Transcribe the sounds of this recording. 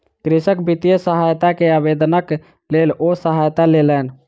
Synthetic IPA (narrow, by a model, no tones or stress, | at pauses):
kɾisəkbit̪ijəsəɦajt̪akeəbed̪nək | lelosəɦajt̪alelən